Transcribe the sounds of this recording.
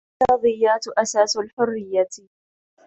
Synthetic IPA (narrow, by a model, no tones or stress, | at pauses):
ɑːðˤɨjːaːt̪ʔasaːsalħʊrːɪjːa